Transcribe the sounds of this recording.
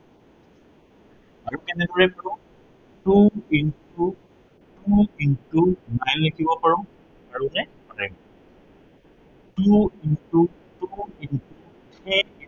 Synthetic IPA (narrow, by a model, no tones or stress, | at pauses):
aɹukɛnɛdɔɹɛkɔũ | tuintu | tuintunajnlekʰibɔpaɹɔ̃m | aɹunɛpaɹɛm | tuintu | tuintu | tʰɛi